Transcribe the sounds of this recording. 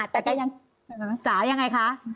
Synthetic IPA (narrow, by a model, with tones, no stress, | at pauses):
t̪ɛː˨˩kɔː˥˩ja˧ŋ | əː˧˩t͡ɕaː˩˦ja˧ŋːa˧jkʰa˦˥ʔ